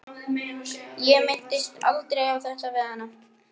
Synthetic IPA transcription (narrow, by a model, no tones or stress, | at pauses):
jɛmɪn̥t̪ɪst̪a̰lt̪ɾejawθɛht̪avɛːðanːa